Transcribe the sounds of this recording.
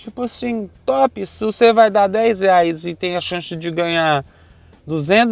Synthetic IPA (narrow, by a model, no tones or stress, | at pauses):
t͡ʃipʊasĩt̪ɔpɪsɪvosevajd̪ad̪ɛjsheajzɪt̪ẽj̃ɐʃɐ̃sɪd͡ʒɪɡɐ̃ɲa | d̪uzẽnt̪ʊ